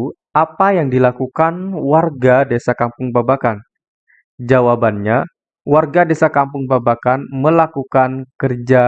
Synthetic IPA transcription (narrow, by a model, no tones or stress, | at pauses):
apajaŋdilakukanwarɡadesakampʊŋbabakan | d͡ʒawabanɲa | warɡadesakampʊŋbabakanməlakukankərd͡ʒa